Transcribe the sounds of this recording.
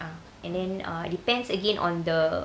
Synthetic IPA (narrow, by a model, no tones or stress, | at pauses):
a | ʔɛ̃ndɛ̃na̰dipɛ̃nsəɡẽnʔɔ̰̃nd̪ə